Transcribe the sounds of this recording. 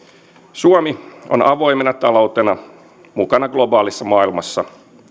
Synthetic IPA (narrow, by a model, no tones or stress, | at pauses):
suomio̰nɑʋo̞jmenɑt̪ɑlo̞wt̪enɑ | mukɑnɑɡlo̞bɑːlisːɑmɑːilmɑsːɑ